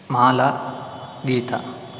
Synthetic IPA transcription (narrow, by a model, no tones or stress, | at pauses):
maːla | ɡiːt̪a̰